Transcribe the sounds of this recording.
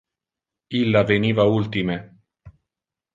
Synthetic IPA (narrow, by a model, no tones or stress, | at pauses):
ilːaveniːvault̪ime